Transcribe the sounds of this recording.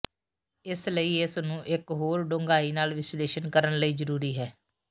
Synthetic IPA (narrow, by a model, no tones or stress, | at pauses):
ɪsləiːɪsnũːʔɪkɦoːɾɖõːŋɡaːiːnaːlʋɪsleːʃənkəɾənləiːzəɾuːɾiːɦɛː